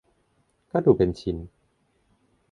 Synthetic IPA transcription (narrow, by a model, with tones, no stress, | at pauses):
kaː˥˩duː˨˩pe˧nt͡ɕʰi˧˦n